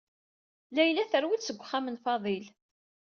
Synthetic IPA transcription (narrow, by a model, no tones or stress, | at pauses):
læjlæθəɾwidsəɡʷːχːamənfɑðˤil